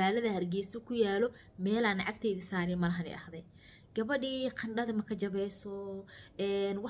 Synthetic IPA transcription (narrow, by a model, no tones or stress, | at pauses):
aːlɐðɐhɐrɡɛjsɔkʰʊjaːlɔ | mɛːlaːnʕɑkt̪ʰɛːðisaːɾɪmɐlɐɦɐnɛ̰jʔɐhðɛj | ɡ̥ɐβɐɖiːqʰɐɳɖɐðɐmɐkʰɐd͡ʒɐβɛjsɔɛːnwɑ